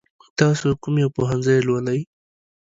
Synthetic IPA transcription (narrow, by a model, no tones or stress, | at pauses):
t̪ɑsokʊmjawpoɦanzajlwalaj